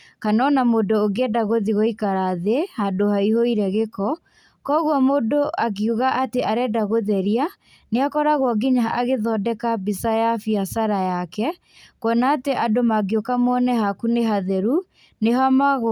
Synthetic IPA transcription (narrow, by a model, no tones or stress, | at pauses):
kanɔnamodoːɣeɛdaɣoðiɣoikaɾaðehadohaihoiɾɛɣekɔ | kɔɣwɔmodoʔaɣiuɣaʔateʔaɾɛdaɣoðɛɾia | neakɔɾaɣwɔɡiɲaaɣeðɔdɛkabisajafiasaɾajakɛ | kɔnaːteʔadomaɡiokamɔnɛhakuneɦaðɛɾu | neɦamaɣ